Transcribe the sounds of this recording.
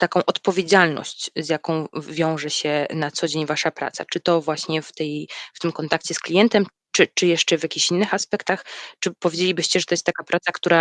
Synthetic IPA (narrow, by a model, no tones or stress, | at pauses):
t̪akɔ̃w̃ʔɔt̪pɔvʲjed͡ʑalnɔ̰ɕt͡ɕzjakɔ̃w̃vʲjɔ̃w̃ʐɛɕɛnat̪sɔd͡ʑeɲvaʂapɾa̰t̪sa̰t͡ʂɘt̪ɔvwaɕɲɛft̪ɛjft̪ɘmkɔnt̪akt͡ɕɛsklʲijɛnt̪ɛm | t͡ʂɘt͡ʂɘjɛʂt͡ʂɛvʲjakʲiɕinːɘxaspɛkt̪axt͡ʂɘpɔvʲjed͡ʑelʲibɘɕt͡ɕɛʐɛt̪ɔjɛst̪t̪ːakapɾʔat̪sakt̪uɾa